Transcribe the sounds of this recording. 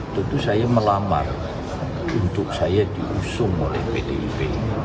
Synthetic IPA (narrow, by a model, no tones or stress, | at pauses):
t̪ut̪usajaməlama̰r | unt̪ʊk̚sajad̪̥iʔusʊŋo̰lɛhpedeipe